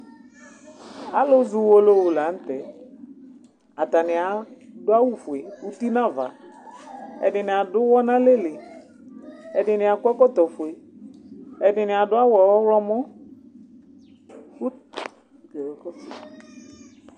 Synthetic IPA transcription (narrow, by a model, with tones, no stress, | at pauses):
a˦lo˦zʊ˨wo˦lo˦wo˨la˨˦n̩˦t̪ɛ˨ | a˨t̪a˨nɪ˨a˨dʊ˦a˦wu˦fʊ˨e˨u˦t̪i˦nã˦va̰˨ | ɛ̰˨dɪ˨nɪ˨a˨dʊ˦wɔ˦nã˦le˦le˨ | ɛ˨ɖɪ˨nɪ˨a˨kɛ˦kɔ˦t̪ɔ˨fʊ˨e˨ | ɛ˨dɪ˨nɪ˨a˨ɖʊ˦a˦wɔ˨wɔ˦wlɔ˦mɔ̃˦˨ | k